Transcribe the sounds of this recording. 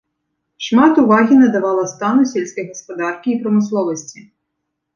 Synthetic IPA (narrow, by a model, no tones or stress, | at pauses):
ʂmat̪uvaɣʲinɐd̪avalˠɐst̪anusʲelʲsʲkɐjɣɐspad̪arkʲiːpɾɐmɨslˠɔvɐsʲt͡sʲi